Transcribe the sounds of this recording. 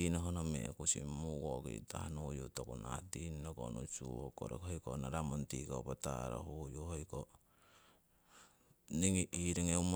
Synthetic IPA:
inoɦonomḛkusimuɡokḭtahanujutokuna̰tinnokonusuhokoɾekhojkonaɾamontikopata̰ɾo̰hujuhojko | niŋiʔiɾiŋeum

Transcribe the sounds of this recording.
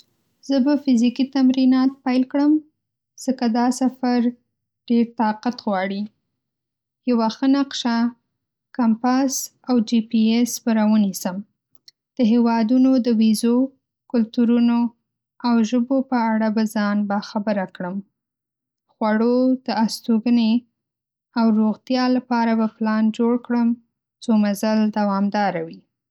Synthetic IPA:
z̥əbafɪzikit̪amɾinɑt̪̚pajlkɽəm | z̥əkad̪ɑsafaɾ | ɖ̥eɾt̪ɑqat̪ɣwɑɽi | jawaxənaqʃa | kampas | awd͡ʒipiesbaɾawənisəm | d̪̥əɦewɑd̪unod̪əwizo | kʊlt̪uɾuno | awʒəbopəaɽabazɑnbaxabəɾakɽəm | xwaɽod̪̥əast̪oɡəne | awɾoɣt̪jɑlapɑɾabaplɑnd͡ʒoɽkɽəm | t͡somazald̪awɑmd̪ɑɾawi

